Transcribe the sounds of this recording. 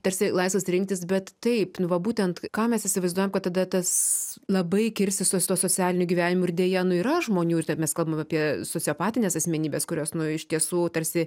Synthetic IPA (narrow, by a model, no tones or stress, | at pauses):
t̪ɐɾʲsʲɪlˠɐɪsʋɐsɾʲɪŋkt̪ʲɪs̬bʲɛt̪tɐɪpnʊʋɐbuːtʲɛnt̪kɑːmʲɛsɪsʲɪʋɐɪzd̪uɔjɛmkɐt̪t̪ɐd̪ɐt̪ɐslˠɐbɐɪkʲɪɾʲsʲtʲɪst̪oɔst̪uɔsoːt͡sʲæːlʲɪnʲʊɡʲiʋʲæːnʲɪmʊɪrd̪ʲeɛjɛnʊiːɾɐʒmoːnʲuːɪt̪ɛmʲɛskɐlˠbɐmɑːpʲiɛsoːt͡sʲɪoːpɑːt̪ʲɪnʲeːsɐsʲmʲɛnʲiːbʲɛːskʊɾʲoːsnʊɪʃt̪ʲiɛsuːt̪ɐɾʲsʲɪ